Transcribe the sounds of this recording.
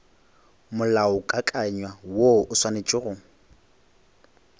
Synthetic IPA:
mʊlaʊkʼakʼaɲwawoʊswanet͡ʃʼɪɣʊ

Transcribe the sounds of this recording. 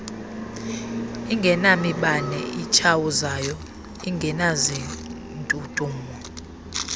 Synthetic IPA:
iŋɡʱɛnamiɓanɛ̰it͡ʃʰawuzajɔ | iŋɡʱɛnazi | ntʼutʼuːmɔ

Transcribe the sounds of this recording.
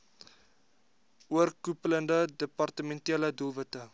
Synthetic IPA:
uərkupələndədəpɑrtəmɛntiələdulˠvətə

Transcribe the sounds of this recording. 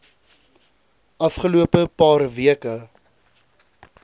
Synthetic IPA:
ʔɐfχəluəpəpɑːrviəkə

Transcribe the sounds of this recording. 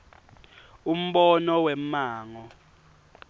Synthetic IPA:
um̩ɓɔnɔwɛm̩maːŋɔ

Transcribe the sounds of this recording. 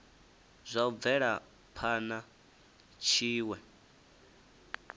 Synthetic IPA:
zʷaub̪vɛɺa | pʰana | t͡ʃʰiːwɛ

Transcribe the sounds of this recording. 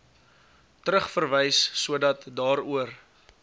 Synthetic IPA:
təɾəχfərvɛjsːuədɐtdɑːɾuər

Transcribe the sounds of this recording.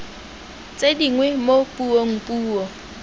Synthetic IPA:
t͡sʼediŋwɛmopʼuɔŋ̩pʼuːɔ

